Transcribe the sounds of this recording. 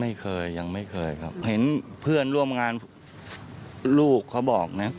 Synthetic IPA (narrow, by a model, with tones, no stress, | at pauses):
ma˥˩jkʰɤː˧jːa˧ŋma˥˩jkʰɤː˧jkʰa̰˦˥p̚he˩˦npʰɯ˥˩ənɾu˥˩əmŋaː˧n | luː˥˩kʰːa˦˥wbɔː˨˩k̚na˦˥